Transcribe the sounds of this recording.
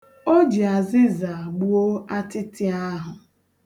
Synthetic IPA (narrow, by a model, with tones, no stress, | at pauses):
o˦d͡ʒi˨a˨zɪ˦za˨ɡ͡bu˦o˦a˦tɪ˦tɪ˦a˦ɦʊ˨